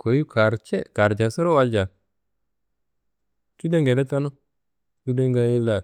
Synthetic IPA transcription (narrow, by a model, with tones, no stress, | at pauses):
kʰo˨ju˦kʰa˨ɾt͡ʃe˦ka˨ɾd͡ʒa˨sə˦ɾo˦wa˧ld͡ʒa˨ | ki˦de˦ŋɡe˨le˦ta˦no˦ | ki˦de˦ŋɡa˦je˦la˨